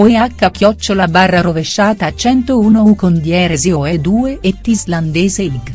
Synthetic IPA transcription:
oeakːakjɔt͡ʃːolabarːaɾoveʃːaːt̪at͡ʃɛnt̪ouːnoukond̪jɛːɾezeoed̪uːeʔet̪ːizland̪eːzeiɡ

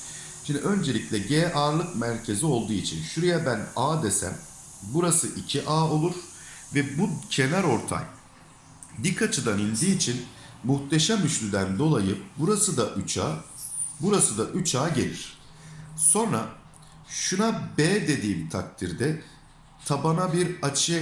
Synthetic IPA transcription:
ʃind̪iʔø̞nd͡ʒe̞lʲicʲlʲɛɟeːʔaːɾlˠɯkmæɾcʰe̞zio̞lˠd̪uːit͡ʃʰinʃuɾejɛbænaːd̪esæ̰m | buɾasɯʔicʰiʔaːo̞lˠuɾ̥ | vɛbucʰe̞næɾo̞ɾt̪ʰa̰m | bikʰat͡ʃʰɯd̪anind̪iːt͡ʃʰin | muht̪ʰe̞ʃamyʃlʲyd̪ænd̪o̞lˠajɯbuɾasɯd̪aʔt͡ʃa | buɾasɯd̪aʔyt͡ʃʰaːɟe̞̰lʲiɾ̥ | so̞nɾa | ʃunabeːd̪e̞d̪iːmt̪ʰak̚t̪ʰiɾd̪ɛ | t̪ʰabanabiɾat͡ʃʰɯj

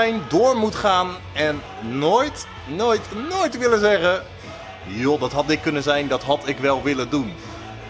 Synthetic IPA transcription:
ɛjndʊːɹmutχaːn | ɛnː | ojt | nojtnojtʋɪlənzɛχə | jodɑtɦɑtɪkːɵnənzɛjndɑtɦɑtɪkʋɛlˠʋɪləndun

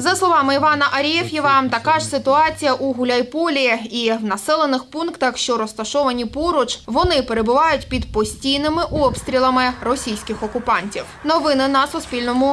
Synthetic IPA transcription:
zɐslˠɔʋɑmɪiʋɑnɐʔɐɾʲijɛwjiʋɑmt̪ɐkɑʒsɪt̪ʊɑt͡sʲijɐʔuɦʊlʲɐjpɔlʲijɛiwnɐsɛlˠenɪxpunkt̪ɐxʃt͡ʃɔɾɔst̪ɐʃɔʋɐnʲipɔɾɔt͡ʃʋɔnɪpeɾe̞bʊʋɑjʊtʲpʲid̪pɔsʲtʲijnɪmɪʔɔpst̪ɾʲilˠɐmɪrɔsʲijsʲkɪxɔkʊpɑnʲtʲiwnɔʋɪnɪnɐsʊspʲilʲnɔmʊ

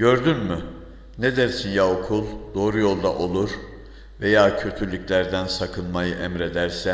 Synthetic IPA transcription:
ɟø̞ɾd̪ynmy | ned̪æɾsinjaokʰulˠd̪o̞ːɾujo̞lˠd̪a̰ʔo̞lˠuɾ̥ | ve̞jaːcʰø̞t̪ʰylʲyclʲæɾd̪ænsakʰɯnmajɯʔɛmɾe̞d̪æɾsɛ

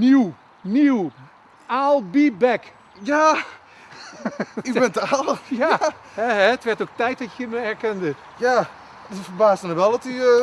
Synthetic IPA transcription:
niw | niw | alˠbibɛk | ja | ibɛntəaːlˠjahɛɛtʋɛrtok̚tɛjt̚dɔtjəməɛrkɛndə | ja | dəfəbaːsəməʋɛlˠdɔty

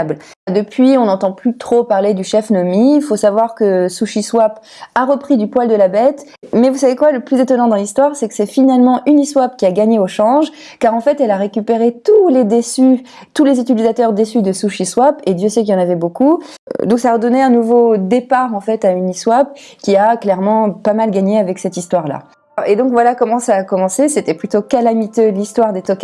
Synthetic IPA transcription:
bl | d̪əpɥiɔ̃nɑ̃t̪ɑ̃plyt̪χopaʁled̪yʃɛfnɔmiifosavwaʁkəsuʃiswap | aʁəpχid̪ypwald̪əlabɛt̪ | mɛvusavekwaləplyzet̪ɔnɑ̃d̪ɑ̃list̪waʁsɛkə̥sɛfinalmɑ̃ʔyniswapkʲiaɡaɲeoʃɑ̃ʒ | kaʁɑ̃fɛt̪ɛlaʁekʲypeʁet̪uled̪esy | t̪ulezyt̪ilizat̪œʁd̪esyd̪əsuʃiswaped̪jøsɛkljɑ̃navɛboku | d̪ɔ̃ksaːʁəd̪ɔneɛ̃nuvod̪epaʁɑ̃fɛt̪ayniswap̚ | kʲiaklɛʁmɑ̃pamalɡaɲeavɛksɛt̪ist̪waʁla̰ | ed̪ɔ̃kvwalakɔmɑ̃saːkɔmɑ̃seset̪ɛplyt̪okalamit̪ølist̪waʁd̪et̪ɔk

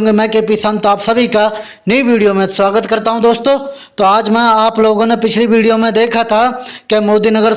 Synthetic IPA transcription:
ŋɡemɛ̃ːkepisə̃nt̪aːpsəbʱika | nəiʋiːɖijoːmẽswaːɡət̪kəɾt̪aːɦũd̪oːst̪oː | t̪oːaːd͡ʒmɛ̃ːaːploːɡõːnepɪt͡ʃʰliʋiːɖijoːmẽd̪eːkʰaːt̪ʰakemoːd̪iːnəɡəɾ

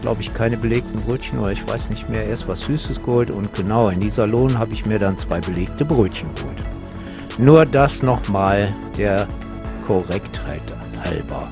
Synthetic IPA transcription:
ɡ̥lʔa̰ʊbəɪçkʰaɪnəbəleːk̚tn̩bʁøːtçən̩ʔo̰ːɾɐɪçv̥a̰ɪsnɪçtmeːɐʔeːɐɪstv̥asz̥yːsəsɡ̥əhoːltʊntɡ̥ənaʊɪndiːzɐloːnhaːbəɪçmiːɐdant͡sv̥aɪbəleːk̚təbʁøːtçən̩ɡəho̰ːlt | nuːɐdasnɔχmaːld̥eːɐ | kʰɔʁɛkthaɪt | ha̰lbɐ̰

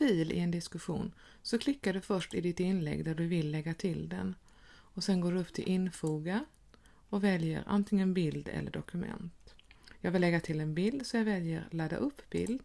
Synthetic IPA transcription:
fiːlɪ̰ɛnd̪ɪskɵɧṵːn | sɔkʰlɪkːaɖɵfœʂʈɪd̪ɪt̪ɪnlɛ̰ɡd̪æɖɵvɪlːɛɡːat̪ʰɪld̪ɛ̰n | ɔsɛnɡoːɖɵɵpːt̪ʰɪ̰lʔɪnfuːɡa | ɔvɛljə̰ɾʔa̰nt̪ʰɪŋənbɪld̪ɛ̰lːə̰ɖɔkɵmɛ̰nt̪jɑːɡvɪlːɛɡːat̪ʰɪlːɛnbɪld̪sɔjɑɡvɛljəɾlad̪a̰ʔɵpːbɪ̰ld̪

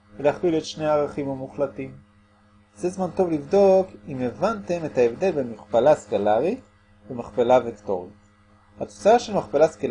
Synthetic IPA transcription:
veleaχliletʃne̞jaːʁaχimamuχlatim | zezmanto̞vlivdo̞kimevante̞me̞taevde̞lbe̞miχpalaskalaʁi | bemaχpelavekto̞ʁit | hat̪ot͡saaʃelmaχpalaskal

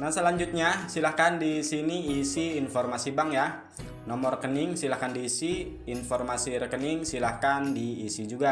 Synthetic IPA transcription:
nahsəlaɲd͡ʒut̪̚ɲasilahkandisiniːsiːnfɔrmasibaŋja | nɔmɔrkənɪŋsilahkandiːsiː | nfɔrmasiɾəkənɪŋsilahkandiːsid͡ʒuɡa

